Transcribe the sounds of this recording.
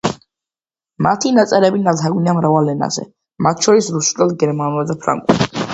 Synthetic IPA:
mat̪ʰinat̪sʼɛɾɛbinalaɡniamɾavalːɛna̰z̥ɛ̰ | mat̪ʰʃʰɔɾisɾusulad̪ɡɛɾmanulad̪apʰɾa̰ŋɡʼṵl

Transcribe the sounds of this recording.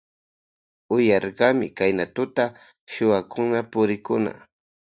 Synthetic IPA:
ʊjɑɾɢɑmɪ̰kajnat̪ʊt̪a | ʃʊwakʰʊnapʊɾɪkʊna̰

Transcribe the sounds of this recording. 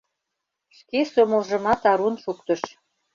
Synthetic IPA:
ʃkesomə̆lʒə̆mɑt̪ɑɾunʃukt̪ə̆ʃ

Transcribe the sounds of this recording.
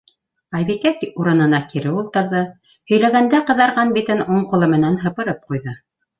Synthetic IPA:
ɑjβikækuɾɤ̆nɤ̆nɑkiɾɘulˠt̪ɤ̆ɾðɤ | hɵ̆jlæɡænd̪æqɤ̆ðɑɾʁɑnbit̪ɘnuɴqulˠɤmɘ̆nænɦɤ̆pɤ̆ɾɤp̚qujðɤ

